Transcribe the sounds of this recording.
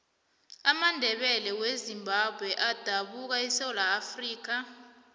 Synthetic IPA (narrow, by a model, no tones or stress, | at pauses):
amandʱɛɓɛlɛwezimbʱab̥ʱwɛʔad̥ʱaɓuk̬aisɛlaːfriːk̬a